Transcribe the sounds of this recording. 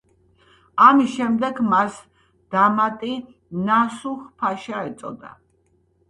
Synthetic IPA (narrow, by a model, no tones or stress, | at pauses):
amisʃɛmd̪ɛɡmas | d̪̥amat̪ʼi | nasuχpʰaʃaɛt̪sʼɔ̰d̪a̰